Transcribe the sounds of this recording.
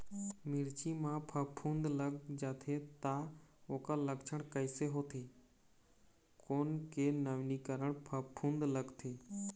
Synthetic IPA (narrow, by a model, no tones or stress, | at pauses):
mɪɾt͡ʃimãpʰəpʰũːnd̪ləɡ̚d͡ʒaːt̪ʰet̪aoːkaləɡt͡ʃʰəɽ̃kəɪseɦoːt̪ʰeː | koːnkeːnəʋnikəɾəɽ̃pʰəpʰːũːnd̪ləɡt̪ʰeː